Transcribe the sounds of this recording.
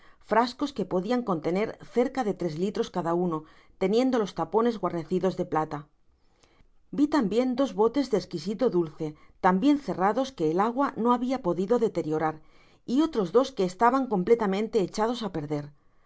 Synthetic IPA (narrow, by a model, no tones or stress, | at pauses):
fɾasko̞ske̞po̞ðiaŋko̞nt̪e̞ne̞ɾθe̞ɾkaðe̞t̪ɾe̞zlit̪ɾo̞skaðauno̞ | t̪e̞nje̞nd̪o̞lo̞st̪apo̞ne̞zɣwaɾne̞θiðo̞zðe̞plat̪a | bit̪ambje̞nd̪o̞zβo̞t̪e̞zðeskisit̪o̞ðulθe̞t̪ambje̞nθe̞raðo̞ske̞ːlaɣwano̞aβiapo̞ðiðo̞ðe̞t̪e̞ɾjo̞ɾaɾ | io̞t̪ɾo̞zðo̞ske̞ːst̪aβaŋko̞mple̞t̪amẽnt̪e̞ːt͡ʃað̞o̞sape̞ɾðe̞ɾ